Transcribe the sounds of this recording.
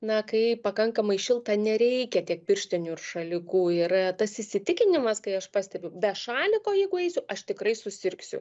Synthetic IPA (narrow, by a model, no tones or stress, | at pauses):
nɐkɐɪpɐkɐŋkɐmɐɪʃʲɪlˠt̪ɑnʲɛɾʲɛɪkʲɛt̪ʲiɛk̚pʲɪrʲʃʲt̪ʲɪnʲʊɪrʃɐlʲɪkuːɪrt̪ɐsɪsʲɪt̪ʲɪkʲɪnʲɪmɐskɐɪɐʃpɑːsʲt̪ʲɛbʲʊbʲɛʃɑːlʲɪkoːjɛɪɡʊɛɪsʲʊʔɐʃt̪ʲɪkrɐɪsʊsʲɪɾksʲʊ̰